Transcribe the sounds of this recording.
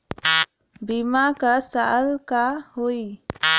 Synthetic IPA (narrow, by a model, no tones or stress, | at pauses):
bimakasalkahoi